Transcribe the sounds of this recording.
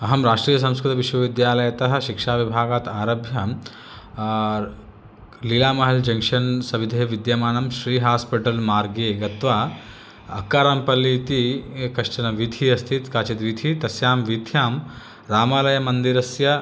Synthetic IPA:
ɐɦɐmɾaːʂʈɾiːjɐs̬ɐ̃m̃skɾɨt̪ɐʋiʃʋɐʋid̪jaːlɐjɐt̪ɐɦɐ̆ʃikʂaːʋibʱaːɡaːt̪aːɾɐbʱjɐ | liːlaːmɐɦɐld͡ʒɐŋkʂɐnsɐʋid̪ʱeːʋid̪jɐmaːnɐmʃɾiːɦaːspiʈɐlmaːɾɡeːɡɐt̪ʋaː | ɐkːaːɾɐmpɐliːt̪ikɐʂʈɐnɐʋid̪ʱiɐst̪ʰit̪kaːt͡ʃit̪ʋid̪ʱit̪ɐsjaːmʋid̪ʱjaːm | ɾaːmaːlɐjɐmɐnd̪iɾɐsjɐ

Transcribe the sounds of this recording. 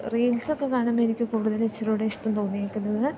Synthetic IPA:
riːlso̞kːe̞kaːɳamenikʲːɨkuːɽuðɐlet͡ɕːɐruɽeiʂʈɐmt̪o̞ːnːijaːkʲːunːɐðɨ

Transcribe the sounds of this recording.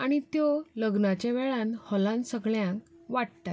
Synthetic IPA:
aɽ̃it̪jɔləɡnat͡ɕãʋɛɭãnhɔlãnsəɡɭjãŋkʋaʈt̪a

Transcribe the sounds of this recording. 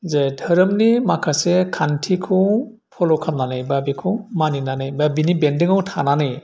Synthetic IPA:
zedʱəɾəmnimakʰasekʰantʰikʰɯw | pʰɔlɔkʰamnanɯjbabikʰumaninanɯjbabinibendiŋawtʰananɯj

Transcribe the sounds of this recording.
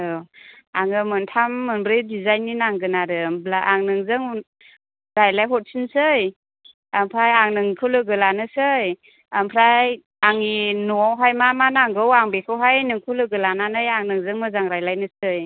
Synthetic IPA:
ɯaŋɯmɯntʰamːɯnbɾɯjdizajnːinaŋɡɯnaɾɯblaʔaŋnɯŋzɯŋ | ɾajlajɦɔt̚sinsɯj | ampʰɾajaŋnɯŋkʰɯlɯɡɯlanɯsɯj | ampʰɾaj | aŋinɔɦajmamanaŋɡɯwaŋbekʰɯwɦajnɯŋkʰɯwlɯɡɯlananɯjaŋnɯŋzɯŋmɯzaŋɾajlajnɯsɯj

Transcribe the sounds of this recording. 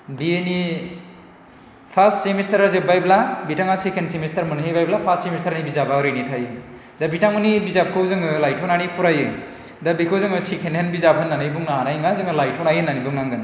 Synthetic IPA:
bieni | pʰastsemestʰɐɾazebajblabitaŋasekʰensemestʰɐɾmɯnhejbajblapʰassemestʰaɾanibizabaɾejnitʰajɯ | dabitaŋunibizap̚kʰɯwzɯŋɯlajtʰɔnanipʰuɾajɯ | dabikʰɯwzɯŋɯsekʰenhenbizapʰɯnːanɯjbuŋnaɦanajŋazɯŋɯlajtʰonajɯnːanibɯŋnaŋɡɯn

